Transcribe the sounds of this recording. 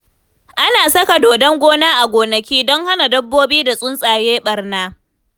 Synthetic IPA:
ʔa˦naː˨sɐ˦ka˨doː˨dɐ˦ŋɡʷoː˦naː˦ʔa˨ɡʷoː˨nɐ˨kʲiː˦dɔ˦ŋha˦na˨dɐ˦bːoː˦biː˦da˨sʼʊ˦nsʼaː˨jeː˦ɓɐ˨rnaː˦

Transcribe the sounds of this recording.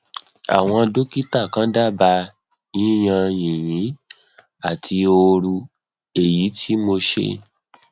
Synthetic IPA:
a̰˨w̃ɔ̃˧do˦ki˦ta˦˨kã˨˦da˦˨ba˧ | nĩ˦j̃ã˧jĩ˨jĩ˨˦ | a˦˨tʰi˧o˧ɾu˧ | e˦˨ji˨˦tʰi˦mo˧ʃḛ˦

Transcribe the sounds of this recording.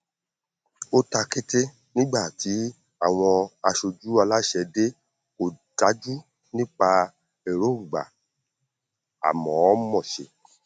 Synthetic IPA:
o˦ta˧ki˦te˦ | nĩ˦ɡ͡ba˦˨ti˨˦ | a˦˨w̃ɔ̃˧a˧ʃo˧d͡ʒu˦a˧la˦ʃɛ˧de˦ | o˦˨ta˨˦d͡ʒu˦ | nĩ˦k͡pa˧ | e˨ɾo˨˦˨ɡ͡ba̰˨ | a̰˨mɔ̃˨˦mɔ̃˦˨ʃḛ˨

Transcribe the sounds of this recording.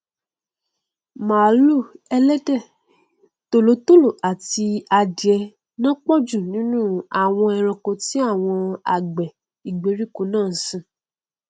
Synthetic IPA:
ma˨˦lu˦˨ɛ˧lɛ˦dɛ˦˨ | to˨lo˨˦to˦˨lo˦˨ʔa˨ti˧a˧di˨ɛ˧ | nã˦k͡pɔ˦d͡ʒu˦˨nĩ˨˦nũ˦a˨w̃ɔ̃˧ɛ˧ɾ̃ɔ̃˧ko˧ti˦a˦˨w̃ɔ̃˧a̰˨ɡ͡bɛ˨ | i˨ɡ͡be˨˦ɾi˦˨ko˧˦nãː˦˨sĩ˦˨

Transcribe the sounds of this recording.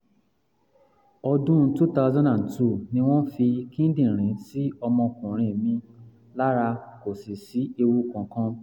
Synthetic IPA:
ɔ˧dũ˦tu˦ta˦zã˦nã˨ntu˦˨nĩ˧w̃ɔ̃˦n̩˦fi˧kĩ˦n̩˦dĩ˦˨ɾ̃ĩ˨˦si˦ɔ˧mɔ̃˧kũ˨ɾ̃ĩ˧˨mĩ˧ | la˦ɾa˧ko˨si˨si˨˦e˧wu˧kã˨kã˦

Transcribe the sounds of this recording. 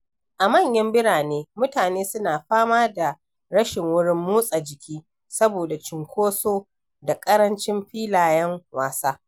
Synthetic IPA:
ʔa˨mɐ˦˨ɲjɐ˦mbɪ˦ɽaː˨neː˦mʊ˦taː˨neː˦sʊ˦naː˨ɸaː˦maː˦da˨ | ɽɐ˦ʃɪ˨ŋwʊ˦ɽɪ˦mːuː˦sʼa˨d͡ʒɪ˨kʲʰiː˦ | sɐ˦boː˨da˨t͡ʃɪ˨ŋkʷoː˦soː˦ | da˨kʼɐ˦ɾɐ˦nt͡ʃɪ˦mɸiː˦laː˨jɛ˦ŋwaː˨saː˦

